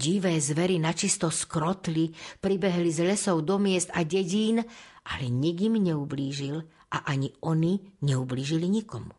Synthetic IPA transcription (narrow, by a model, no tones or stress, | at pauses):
ɟiʋɛːzʋɛɾinat͡ʃist̪ɔskɾɔt̪lipɾibɛɦlizlɛsɔʊd̪ɔmɪɛst̪aɟɛɟiːnʔalɛɲɛɡimɲɛubliːʒil | ʔaʔaɲiɔniɲɛubliːʒiliɲikɔmu